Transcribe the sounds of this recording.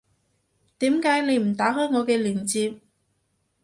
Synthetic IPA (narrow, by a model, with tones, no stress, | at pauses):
t̪iː˨˥mkaː˨˥jne˨˧jm̩˨˩t̪aː˨˥ɦɔː˥ŋɔː˨˧kɛː˧liː˨˩nt͡siː˧p̚